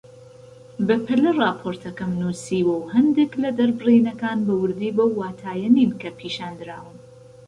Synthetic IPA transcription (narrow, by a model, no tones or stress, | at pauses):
bɐpʰɨlɨrˤɑːpʰoɾt̪ʰɐkɐmnusiːwɨwhɐnd̪eklɐd̪ɐɾbɨriːnɐkaːnbɐwɨɾd̪iːbɐwːaːt̪ʰaːjɐninkɐpʰiːʃaːnd̪ɨɾaːwɨn